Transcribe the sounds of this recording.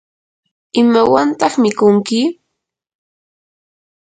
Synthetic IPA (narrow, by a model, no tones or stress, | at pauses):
ɪmawant̪ɑχmɪkʊŋkɪ